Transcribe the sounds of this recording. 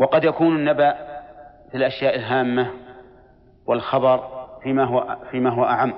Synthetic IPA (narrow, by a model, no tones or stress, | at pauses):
wɑqɑd̪jakuːnɪnːabaːʔɪfɪlʔaʃjaːʔɪlɦaːmːa | wɪlxɑbɑɾˤfiːmaɦʊfiːmaːɦʊwaʔaʕamː